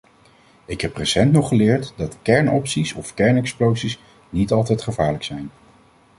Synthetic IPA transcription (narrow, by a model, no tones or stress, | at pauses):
ɪkɦɛpresɛntnɔχəlɪːɹtdɑtkɛɹnɔpsisɔfkɛɹnɛksplowsis | nitɑlˠtɛjtχəvaːɹləksɛjn